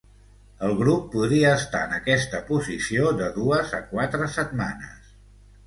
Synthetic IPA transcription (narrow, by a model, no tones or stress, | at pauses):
əlˠɣɾupːuðɾiəːst̪a̰ənəkɛst̪əpuzisiod̪əðuəzə̰kwat̪ɾəsət̪̚ma̰nə̰s